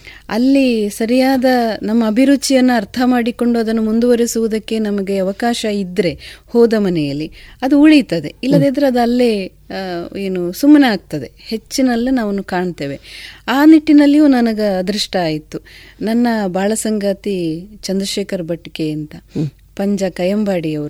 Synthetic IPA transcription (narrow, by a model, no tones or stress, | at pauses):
ɐ̰lːisɐɾijaːd̪ɐnɐmːɐːbʱiɾut͡ʃijɐnːuɐɾt̪ʰɐmaːɽiko̞ɳɖuɐd̪ɐnːumund̪uʋɐɾisuʋud̪ɐkːe̞nɐmɐɡe̞ɐʋɐkaːʃɐid̪ɾe̞hɔːd̪ɐmɐnɛjɐlːiɐd̪uuːɭijt̪ɐd̪e̞̰ilːɐd̪eːd̪ɐɾeɐd̪uɐlːe | eːnusumːɐneaːɡ̚t̪ɐd̪e̞he̞t͡ʃːinɐlːinaːʋɐnːukaːɳt̪eːʋe̞aːniʈːinɐlːijuːnɐnɐɡɐɐd̪ɾiʂʈɐaːjit̪ːu | nɐnːɐbʱaːɭɐsɐŋɡɐt̪it͡ʃɐnd̪ɾɐʃeːkʰɐɾbʱɐʈːikeɐnt̪ɐ | pɐɲd͡ʒɐkɐjɐmbaːɽiɐʋɐɾu